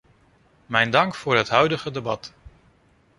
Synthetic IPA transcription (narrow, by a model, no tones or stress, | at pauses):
mɛjndɑŋkfʊːɹɦətɦœɥdəχədebɑt